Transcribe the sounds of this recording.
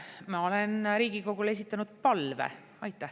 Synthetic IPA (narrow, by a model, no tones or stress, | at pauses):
mɑo̞lenɾiːɡiko̞ɡ̥ule̞s̬it̪ːˑɑnud̪̥̚pɑlvḛ | ɑjt̪ːˑæh